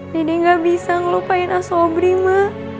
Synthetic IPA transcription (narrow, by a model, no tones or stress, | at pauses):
didiŋɡabisaŋlopainasobɾima